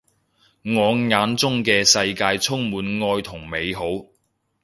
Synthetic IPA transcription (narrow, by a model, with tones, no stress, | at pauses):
ŋɔː˨˧ŋŋaː˨˥nt͡sʊ˥ŋkɛː˧sɐ˧jkaː˧jt͡sʰʊ˥ŋmuː˨˥nŋɔː˧jt̪ʰʊ˨˩ŋme˨˧jɦo˨˥w